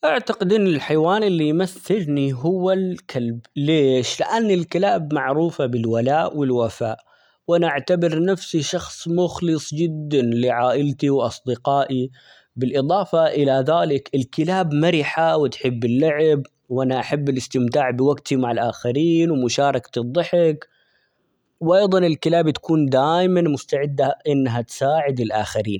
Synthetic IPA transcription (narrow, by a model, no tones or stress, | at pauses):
ʔaʕt̪aqɪd̪ʔɪnːɪlħajwaːnɪlːijmaθːɪlniɦʊwːalkʰalbleːʃlɪʔanːɪlkɪlaːbmaʕɾuːfabɪlwalaːʔwɪlwafaːʔ | wʔanaʔaʕt̪abɪɾnafsiʃɑxsˤmʊxlɨsˤd͡ʒɪd̪ːanliʕaːʔɪlt̪iwʔɑsˤd̪ɪqɑːʔi | bɪlʔɨd̪ˤɑːfɑʔɪlaðaːlɪkɪlkɪlaːbmaɾɪħawɪt̪ħɪbːɪlːaʕɪb | wʔanaʔaħabːɪlɪst̪ɪmt̪aːʕbɪwaɡt̪imaʕɪlʔaːxaɾiːnwɪmʊʃɑːɾˤɑkt̪ɨd̪ˤːɨħɪk | wʔɑjðˤɑnɪlkɪlaːbt̪ḁkuːnd̪aːjmanmʊst̪aʕɪd̪ːaʔɪnːɦat̪saːʕɪd̪ɪlʔaːxaɾiːn